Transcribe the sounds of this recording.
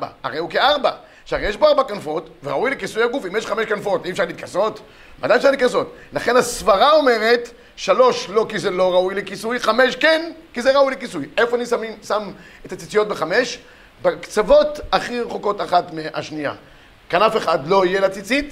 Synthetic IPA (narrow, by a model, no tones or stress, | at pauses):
ba̰a̰ʁejukeaʁba | ʃaejeʃboaʁbakanfo̞tveʁaujlekisujaɡufimjeʃχameʃkanfo̞tiefʃaʁliːt̪̚kʰaso̞t | ma̰d̪ajefʃaʁlitkaso̞tlaχe̞nasvaʁao̞me̞ʁet̪ | ʃalo̞ʃlo̞kizelo̞ʁaujlekisujχameʃkenkizeʁaujlekisujefoanismisam | et̪at͡sit͡sijo̞t̚beχame̞ʃ | bekt͡savo̞t̪aχiʁeχoko̞taχatmea̰ʃnija̰ | kanafeχadlo̞ijelat͡sit͡sit̪